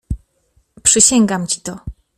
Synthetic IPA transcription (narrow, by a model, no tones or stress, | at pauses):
pʂɘɕɛŋɡamt͡ɕit̪ɔ